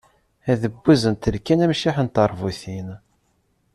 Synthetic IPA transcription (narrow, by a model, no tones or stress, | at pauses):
æðəbːæzənt̪əɾkænæmʃiħənt̪əɾˤvuθin